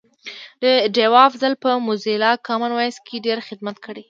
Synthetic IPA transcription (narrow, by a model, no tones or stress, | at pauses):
d̪əɖewɑfzalpəmʊzelɑkɑmanwɑjskʰeɖeɾxɪd̪mat̪kʰəɽe